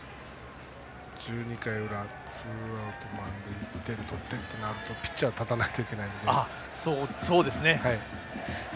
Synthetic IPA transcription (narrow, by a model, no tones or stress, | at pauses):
d͡ʑɨːɲ̟ikaiɯ̟ɾa | t͡sɨːaɯ̟t̪o̞mãŋɡɯ̟it̪ːe̞ɾɯ̟t̪ot̪ːeɾɯt̪enaɾɯ̟t̪o̞pʲi̥t͡ɕːiat̪at̪anakɯ̟̥t̪aikʲe̞naĩnd̪ea | soso̞ːd̪e̞sɨne̞hai